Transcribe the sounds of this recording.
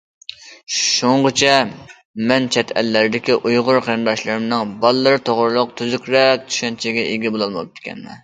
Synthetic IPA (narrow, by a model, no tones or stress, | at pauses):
ʃuɴʁət͡ʃʰɛ | mɛnt͡ʃʰɛt̪ʰɛ̰lːæɾɪd̪ɪkʲiʔujʁʊɾqʰeɾɨnd̪ɑʃlˠɨɾɨmnɨŋbɑlˠːɨɾɨt̪ʰoʁɾɨlˠʊq̚t̪ʰyzykʲʰɾɛk̚t̪ʰy̥ʃɛnt͡ʃʰɪɡʲɛʔeɡʲɛbolˠɑlˠmɑ̰p̚t̪ʰːɪ̥kʲɛ̰nmɛ̰